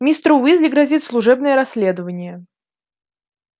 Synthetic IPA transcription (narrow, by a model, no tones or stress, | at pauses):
mʲist̪ɾʊvizʲlʲɪɡɾɐzʲit̪ʲslˠʊʐɛbnɨjəɾɐsʲːlʲed̪əvənʲɪjə